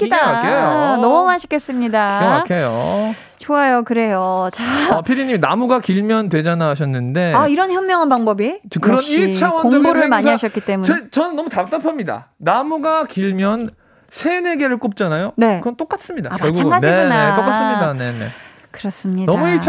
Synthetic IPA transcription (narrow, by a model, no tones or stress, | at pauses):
k͈idaaakʰejonʌmʌmaɕʰi̥k͈es͈ɯmɲidaʌakʰejo̰ | t͡ɕoajokɯɾe̞jot͡ɕapʰiɾiɲiminamuɡakiɭmjʌntwe̞d͡ʑanaɕ̬ʰʌnːɯnde̞aiɾʌnçjʌnmjʌŋɦanbaŋbʌbit͡ɕʌkɯɾʌniɭʰawʌnoŋoɡoɾɯɭmaɲiɦaɕʰʌt̚k͈it͈e̞muʌt͡ɕʌnɯnːʌmutat͈apʰʌmɲida̰namuɡakiɭmjʌn | sʰe̞ne̞ɡeɾɯɭk͈op̚t͡ɕ͈anajone̞ɯʌnt͈ok͈as͈ɯmɲidaajʌaɡaŋɡaniɡunet͈ok͈as͈ɯmɲidane̞ne̞̰ | kɯɾʌs͈ɯmɲidʌmuiɭt͡ɕʰ